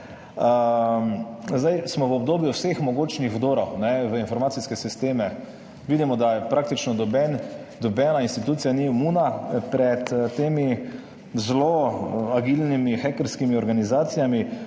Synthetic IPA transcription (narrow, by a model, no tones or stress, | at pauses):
əmzd̪ajsmɔʋəɔb̚d̪oːbjuwsexmɔɡoːt͡ʃnixwd̪oːɾɔwnɛʋəinfɔɾmaːt̪siskɛsist̪eːmɛ | ʋiːd̪imɔd̪ajɛpɾaːk̚t̪it͡ʃnɔd̪ɔbɛn | d̪ɔbɛːnainst̪it̪uːt̪sijanimunapɾɛt̪t̪ːeːmi | zloaɡilnimixɛkəɾskimiɔɾɡanizaːt̪sijami